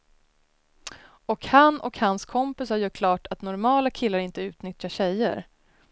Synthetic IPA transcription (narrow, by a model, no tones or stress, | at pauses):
ɔkhanːɔ̰khanskʰɔmpɪshaɾjœkʰlɑːʈʰat̪nɔɾmɑːlakʰɪlːaɾɪnt̪əʉ̟ːt̪nʏt̪ʰjaɕɛjːə̰ɾ